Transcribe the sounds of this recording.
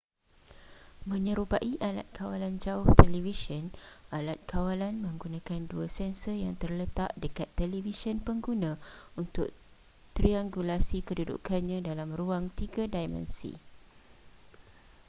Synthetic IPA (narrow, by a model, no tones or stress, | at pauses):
mə̃ɲə̃ɾupaʔiʔala̰t̪̚kʰawaland͡ʒaʊht̪ɛlivisənalat̪̚kʰawalanmə̃ŋɡunãkanduasɛnsəjaŋt̪ərlət̪aʔdəkat̪ːɛlivisənpəŋɡunãunt̪ʊk̚ | t̪ɾiaŋɡulasikədudṵkanɲãdalamruaŋt̪iɡadajmɛ̰nsḭ